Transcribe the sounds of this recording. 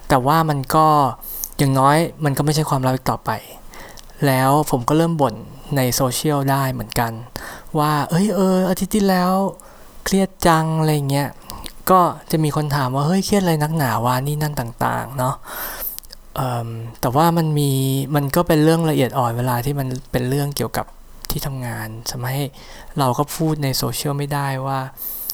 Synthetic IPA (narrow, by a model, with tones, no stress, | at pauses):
t̪ɛː˨˩waː˥˩ma˧nkɔː˥˩ | jaː˨˩ŋnɔː˦˥jma˧nkɔː˥˩ma˥˩jt͡ɕʰa˥˩jkʰwaː˧mɾa˦˥p̚ʔi˨˧k̚t̪ɔː˨˩pa̰˧j | lɛː˦˥wpʰo˩˦mkɔː˥˩ɾɤː˥˩mbo˨˩˦nːa˧jsoː˧t͡ɕʰi˥˩əwdaː˥˩jmɯ˩˦ənka˧nwaː˥˩ʔɤ˦˥jʔɤː˧ʔa˧t̪ʰi˦˥t̪ːʰiː˥˩lɛː˦˥w | kʰli˥˩ət̪̚t͡ɕa˧ŋa˧ɾa˧jːa˨˩ŋːi˦˥ɐkɔː˥˩t͡ɕa˨˩ʔmiː˧kʰo˧nt̪ʰaː˨˩˦mwaː˥˩hɤ˦˥˩jkʰi˥˩ət̪̚ala˧jna˦˥k̚naː˩˦waː˥˩niː˥˩na˥˩nt̪aː˨˩ŋt̪a̰ː˨˩ŋnɔ˦˥ | ʔɤː˨˩mt̪ɛː˨˩waː˥˩ma˧nmiː˧ma˧nkɔː˥˩pe˧nɾɯ˥˩əŋɾa˧ʔi˨˩ət̪̚ʔɔː˨˩nweː˧laː˧t̪ʰiː˥˩ma˧npe˧nɾɯ˥˩əŋki˨˩əwka̰˨˩p̚ | t̪ʰiː˥˩t̪ʰa˧mŋaː˧nsa˩˦ma˧˩t̪̚ha˥˩j | ɾa˧wkɔː˥˩pʰuː˥˩t̪̚na˧jsoː˧t͡ɕʰi˥˩əwma˥˩jdaː˥˩jwaː˥˩